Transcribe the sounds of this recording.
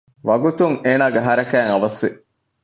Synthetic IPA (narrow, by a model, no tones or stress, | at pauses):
ʋɐɡut̪uŋeːnaːɡeɦɐɾɐkæːŋɐʋɐsʋe